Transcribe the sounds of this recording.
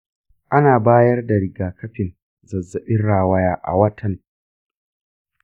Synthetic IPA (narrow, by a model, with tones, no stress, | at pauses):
ʔa˦naː˨baː˦jɐ˦rda˨ɾɪ˨ɡaː˨kʰɐ˦ɸɪ˨n | zɐ˨zːɐ˨ɓɪ˦nɽaː˦˨wɐ˦jaː˦ʔa̰˨wɐ˦tʰɐ˨ŋ